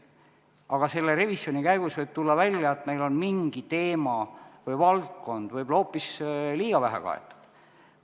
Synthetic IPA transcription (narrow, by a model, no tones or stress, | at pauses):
ɑɡ̥ɑse̞lːeɾe̞visjo̞nikæjɡ̥usvɤjb̥̚t̪ulːɑvælʲjɑet̪me̞jlo̞nmiŋɡ̥it̪e̞ːmɑvɤjvɑlt̪̚ko̞nd̪̥vɤjb̥lo̞ːpːˑisliːɡ̥ɑvæɦɛ̰kɑ̰ḛt̪ːˑɑ̥d̪̥